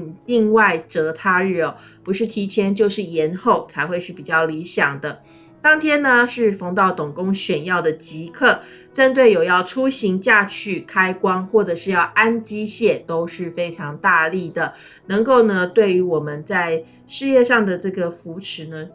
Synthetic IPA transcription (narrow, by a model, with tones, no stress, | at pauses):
li˥˧ŋwa˥˩ɪʈ͡ʂɤ˧˥t̪ʰa˥ɻ̩˥˩ɔ˨˩ | pu˧˥ʂɻ̩˥˩t̪ʰi˧˥t͡ɕʰjɛ˥nt͡ɕjo˥˧ʊʂɻ̩˥˩jɛ˧˥nxo˥˩ʊt͡sʰa˧˥ɪxwe˥˧ɪʂɻ̩˥˩pi˨˩t͡ɕjɑ˥˩ʊli˧˥ɕjɑ˨˩ŋd̪ə˦ | t̪ɑ˥ŋt̪ʰjɛ˥nə˧ʂɻ̩˥˩fɑ˧˥ŋt̪ɑ˥˩ʊt̪ʊ˨˩ŋkʊ˥ŋɕɥɛ˨˩njɑ˥˩ʊd̪ə˩t͡ɕi˧˥kʰɤ˥˩ | ʈ͡ʂə˥nt̪we˥˩ɪjo˨˩jɑ˥˩ʊʈ͡ʂʰu˥ɕi˧˥ŋt͡ɕja˥˧t͡ɕʰy˥˩kʰa˥ɪkwɑ˥ŋxwɔ˥˩ʈ͡ʂɤ˨˩ʂɻ̩˥˧jɑ˥˩ʊʔa˥nt͡ɕi˥ɕjɛ˥˩t̪o˥ʊʂɻ̩˥˩fe˥ɪʈ͡ʂʰɑ˧˥ŋt̪a˥˧li˥˩d̪ə˩ | nə˧˥ŋko˥˩ʊnə˨t̪we˥˩ɪy˧˥wɔ˨˩mə˨˦nt͡sa˥˩ɪ | ʂɻ̩˥˧jɛ˥˧ʂɑ˥˩ŋd̪ə˩ʈ͡ʂɤ˥˩ɡə˩fu˧˥ʈ͡ʂʰɻ̩˧˥nə˧